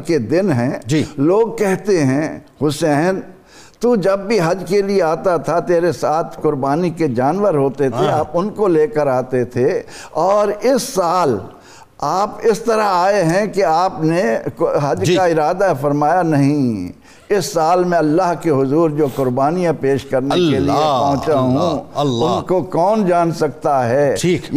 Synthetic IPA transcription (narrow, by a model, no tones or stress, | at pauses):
ked̪ɪnɦɛ̃ːd͡ʒiloːɡ̚kɛɦt̪eɦɛ̃hʊsɛːn | t̪ud͡ʒɐbːʱiɦɐd͡ʒkelieaːt̪at̪ʰat̪eːɾesaːt̪ʰkʊɾbaːniked͡ʒaːnʋəɾɦoːt̪et̪ʰeaːpʊnkoleːkəɾaːt̪et̪ʰeɔːɾɪsːaːl | aːpɪst̪ɐɾəɦaːeɦɛ̃keaːpneɦɐd͡ʒkaɪɾaːd̪afɐɾmaːjanɐɦĩ | ɪsːaːlmɛ̃ɐlːaɦkeɦʊzuːɾd͡ʒoːkʊɾbaːnijãpeːʃkɐɾnekeliepɔ̃ɦʊ̃t͡ʃaɦũʊnkokɔːnd͡ʒaːnsɐk̚t̪aɦɛː